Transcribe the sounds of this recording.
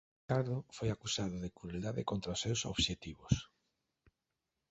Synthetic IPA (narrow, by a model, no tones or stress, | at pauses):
aɾðʊfojakusaðʊðekɾueld̪aðɪ̰kont̪ɾaʊsːewso̰βʃet̪iβʊs